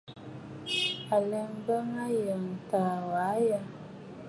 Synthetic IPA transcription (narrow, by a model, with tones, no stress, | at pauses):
a˨lɛ˦ŋbə˦ŋa˦jə˨ŋ˨ta˨wa˨˦ja˦